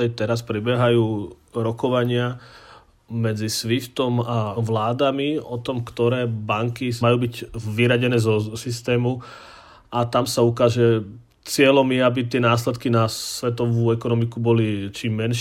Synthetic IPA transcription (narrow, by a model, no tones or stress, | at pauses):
ɛjt̪ɛɾaspɾibɛɦajuː | ɾɔkɔʋaɲɪa | mɛd͡zisʋift̪ɔmaʋlaːd̪amiɔt̪ɔmkt̪ɔɾɛːbaŋkimajuːbicʋiɾaɟɛnɛːzɔsist̪ɛːmu | at̪amsaukaːʒɛ | t͡sɪɛlɔmjɛabit̪ɪɛnaːslɛt̪kinasʋɛt̪ɔʋuːɛkɔnɔmikubɔlit͡ʃiːmːɛnʃ